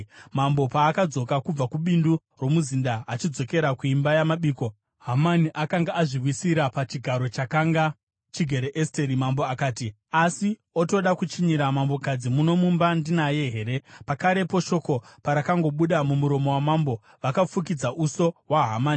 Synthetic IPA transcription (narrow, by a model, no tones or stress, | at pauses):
mambo̞paːkad͡zo̞kakub͡vakuɓindu | rwo̞muzindaːt͡ʃid͡zo̞ke̞ɾakuimbajamaɓiːko̞ | ɦamaniʔakaŋɡaʔaʐiwisiɾapat͡ʃiɡʱaɾo̞t͡ʃakaŋɡa | t͡ʃiɡʱe̞ɾeʔeste̞ɾimambo̞akaːti | asi | o̞to̞ɗakut͡ʃiɲiɾamambo̞kad͡zimuno̞mumbandinaje̞ɦe̞ɾe̞pakaɾe̞po̞ʃo̞ko̞paɾakaŋɡo̞ɓuɗamumuɾo̞mo̞wamambo̞ | ʋakafuk̬id͡zaʔuso̞waɦamaːni